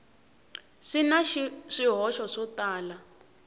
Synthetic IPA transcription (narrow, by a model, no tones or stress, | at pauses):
ʂinaʃʂiɦɔʃɔʂɔtaːla